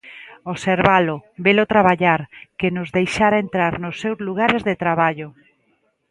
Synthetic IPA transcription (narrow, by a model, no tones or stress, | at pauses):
oseɾβalobelot̪ɾaβaʎaɾkenʊzðejʃaɾaent̪ɾaɾnʊsːewzluɣ̞aɾezðet̪ɾaβaʎo